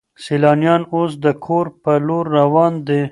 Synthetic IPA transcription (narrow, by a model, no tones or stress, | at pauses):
selɑnjɑnos̬d̪əkʰoɾpəloɾːawɑnd̪e